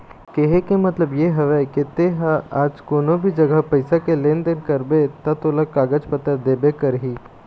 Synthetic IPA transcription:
keɦekemɐt̪ləbjeɦɐʋɛket̪eːɦaaːd͡ʒkoːnõbʱid͡ʒɐɡəɦpɐɪsakeleːnd̪enkɐɾbet̪ɐt̪oːləkaːɡəd͡ʒpət̪əɾd̪eːbekɐɾɦiː

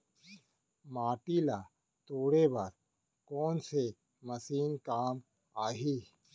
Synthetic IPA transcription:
maːʈila | t̪oːɽebaɾ | kɔːnse | mɐsiːnkaːm | aːɦi

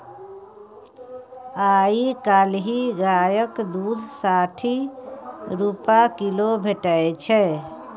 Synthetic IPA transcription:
aikalɦiɡajəkd̪ud̪ʱsaʈʰi | ɾupakilobʱeʈəet͡ʃʰɛ

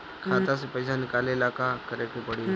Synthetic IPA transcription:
kʰat̪as̬epəjsanikalelakakəɾeʈipəɽi

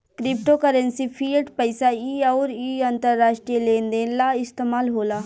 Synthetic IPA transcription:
kɾɪpʈokəɾə̃nsipʰiːlɖpəɪsaiːɐːɾiːɐnt̪əɾːaːʃʈɾieleːnd̪eːnlaːɪst̪eːmaːlɦoːlaː

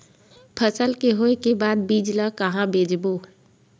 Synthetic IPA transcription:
pʰəsəlkeɦoːekebaːd̪̚biːd͡ʒlakəɦãbeːd͡ʒbo

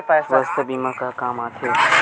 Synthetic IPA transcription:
paːʋɐst̪biːmãkakaːmaːt̪ʰeː

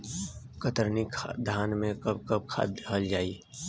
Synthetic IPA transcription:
kət̪əɾnikd̪ʱaːnmẽkɐb̚kəb̚kʰa̰ːd̪əɦəld͡ʒaːi

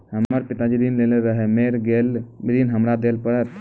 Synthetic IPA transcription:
həməɾpit̪ad͡ʒid̪inleleɾəɦɛmeɾɡelɾinɦəmɾad̪elpəɾət̪

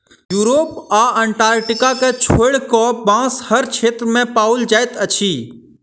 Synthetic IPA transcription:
juːɾoːpaːɛ̃ɳʈaːɾʈɪkaket͡ʃʰoɪɽkɔbãːshəɾt͡ʃʰeːt̪ɾmẽpaːʊld͡ʒaːɪt̪ət͡ʃʰiː

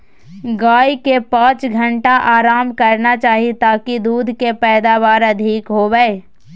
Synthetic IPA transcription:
ɡaːjkepãːt͡ʃɡʱɐ̃ɳʈaʔaːɾaːmkɐɾnat͡ʃaːɦit̪aːkid̪uːd̪ʱkepɛːd̪aːʋaːɾɐd̪ʱiːkɦoɡaeː

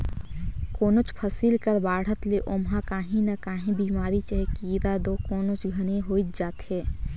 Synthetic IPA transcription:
koːnot͡ʃpʰəsiːlkəɾbaːɽ̤ət̪leʔomɦãkaːɦĩnakaːɦẽbiːmaːɾit͡ʃəɦekiːɾad̪okoːnot͡ʃɡʱəneɦoːit̪d͡ʒaːt̪ɦɛː

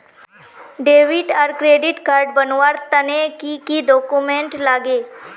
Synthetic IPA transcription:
ɖeʋiʈaɾkɾeɖiʈkaɾɖbənʋaɾt̪ənekikiɖɔkumeɳʈlaɡe

